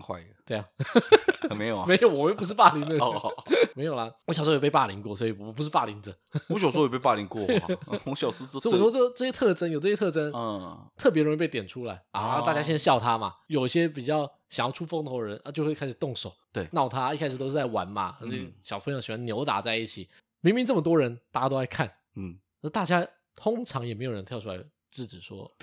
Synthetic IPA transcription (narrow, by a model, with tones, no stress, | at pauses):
xwa̰˥˧ɪt̪we˥˧ɪa˨˩˧ | me˧˥jo˨˩me˧˥ɪjo˧˦ʊwɔ˨˩e˥˩pu˧˥ʂ̬ɻ̩˥˧pa˥˩li˧ŋt̪ə˥me˧˥jo˨˩lɐ˦wɔ˧ɕʂ̬pe˥˧pa˥˩li˧˥ŋkwɔ˥˩swɔ˧˥i˨˩˨wɔ˨˩p̬u˧˥ʂɻ̩˥˧pa̰˥˩li˧˥ŋə˩˧ɔ˦ɕɑ˨ʂ̩˥˧˥pe˥˩pa˥˩li˧˥ŋkwɔ˥˩ɔ˧˥ɕjɑ˨˩ʊʂ̩˥sɔ˥˨˥ɔ˨˧˥o˥˩˧ʈ͡ʂɤ˥˩jɛ˥t̪ʰɤ˥˩ʈ͡ʂə˥njo˨˩ʈ͡ʂɤ˥˧˩jɛ˥˧ʈ͡ʂə˥nt̪ʰɤ˥˩pjɛ˧˥ɻi˧pe˥˩t̪jɛ˨˩nʈ͡ʂʰu˥la˧˥ɪa˧˩˥t̪a˥˧˩t͡ɕja˥ɕjɛ˥nɕjɑ˥˩ʊt̪ʰa˥mɐ̰˨jo˨˩ʊi˥ɕjɛ˥p̬i˨˩t͡ɕjɑ˥˩ʊ | ɕɑ˨˩ŋjɑ˥˩ʊʈ͡ʂʰu˥fo˥ŋt̪ʰo˧˥ɻə˧˦na˥˧˩t͡ɕo˥˧xwe˥˩kʰa˥ɪʂɻ̩˨˩t̪ʊ˥˩ŋʂo˨˩ʊt̪we˥˧˩nɑ˥˩ʊt̪ʰa˥i˥˧kʰa˥ɪʂɻ̩˨˩t̪o˥ʊʂɻ̩˥˧t͡sa˥˩ɪwa̰˧˥nmɐ̰˨˧˥ɕjɑ˨˩ʊpʰə˧ŋjo˧˩ʊɕi˨˩wa˥njo˧˥ʊt̪a̰˨˩t͡sa˥˧ɪi˥˩t͡ɕʰi˨˩ | mi˧˥ŋmi˧˥ŋʈ͡ʂɤ˥˩mə˩t̪wɔ˥ɻə˧˥nt̪a˥˩t͡ɕja˥˧o˥a˧ɪkʰa˥˩n̩˥˩˧ | t̪a˥˩t͡ɕja˥ | t̪ʰʊ˥ŋʈ͡ʂʰɑ˧˥ŋjɛ˨˩me˧˥jo˨˩ɻə˧˦nt̪ʰjʊʈ͡ʂʰu˥la̰˧˥ɪ | ʈ͡ʂɻ̩˥˩ʈ͡ʂɻ̩˨˩ʂwɔ̰˥